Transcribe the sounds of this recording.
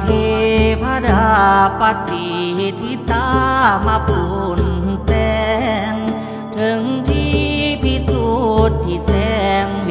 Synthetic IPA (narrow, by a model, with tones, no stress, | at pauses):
t̪ʰi˧pʰa˧˥da˧pa˧t̪ːi˨t̪ʰi˧˦t̪a˧˦ma˧pu˨˧nt̪ɛ˧ŋ | t̪ʰɯ˧ŋt̪ʰi˧pʰi˧su˧t̪ʰːi˧˩sɛ˧ŋ